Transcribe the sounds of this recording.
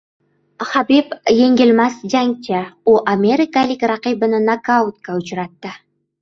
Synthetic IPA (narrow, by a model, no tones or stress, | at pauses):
χɑbipjeŋɡʲelʲmɑsd͡ʒaŋtʲeoʔamʲeɾʲikalɪkrɑqibənənakawt̪̚kaʊt͡ʃɾɑt̪ːə